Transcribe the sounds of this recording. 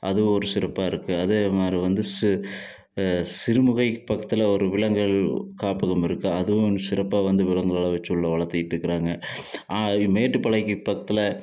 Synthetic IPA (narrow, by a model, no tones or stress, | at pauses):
ʔɐðɯʋɯ̃ɔɾɯsɪɾɐpːaːɪɾɯkːɯɐðeːmaːd̪ɾiʋɐnd̪ɯs | sɪɾɯmɯɣɐɪpɐkːɐt̪ːɪlɐɔɾɯʋɪlɐŋɡɐɭkaːpɐɣɐmɪɾɯkːɯɐðɯʋɯ̃sɪɾɐpːaːʋɐnd̪ɯʋɪlɐŋɡɐɭɐlɐʋɛt͡ʃːɯɭːɐʋɐɭɐɾt̪ːɪjɪʈːɪɾɯkːɪɾaːŋɡɐ | meːʈːɯpɐɭɐɪkːɯpːɐkːɐt̪ːɪlɐ